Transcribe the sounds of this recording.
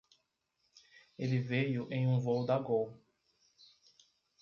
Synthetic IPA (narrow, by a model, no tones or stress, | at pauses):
elɪvejʊʔẽj̃ũvowd̪aɡow